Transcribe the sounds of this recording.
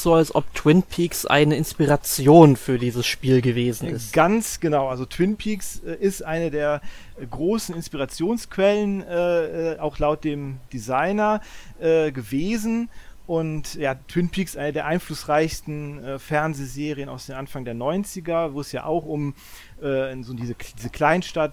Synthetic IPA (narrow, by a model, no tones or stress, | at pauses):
z̥oːalsʔɔ̰ptʰw̥ɪnpʰiːksʔa̰ɪnəɪnspiʁat͡sjoːnfyːɐdiːzəsʃpiːlɡəveːzn̩ɪ̰stɡ̥ant͡sɡ̥ənaʊʔalzotʰw̥ɪnpʰiːksɛʔɪstʔaɪnədeːɐ | ɡʁoːsn̩ɪnspiʁat͡sjoːnskv̥ɛlənɛːɛːʔaʊxlaʊt̚d̥eːmd̥izaɪnɐʔɛːɡəveːzn̩ʔʊntjaːtʰw̥ɪnpʰiːksʔaɪnədeːɐʔaɪnflʊsʁaɪçstn̩ʔɛːfɛɐnzeːzeːʁiənaʊsd̥eːnʔanfaŋdeːɐnɔʏnt͡sɪɡɐvoːɛsja̰ːʔa̰ʊxʔʊm | ʔɛːzoːdiːzəd̥iːzəkʰl̥aɪnʃtat̚